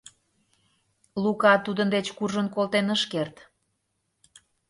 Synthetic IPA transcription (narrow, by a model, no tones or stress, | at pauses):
lukɑt̪ud̪ənd̪et͡ɕkurʒənkolt̪enəʃkert̪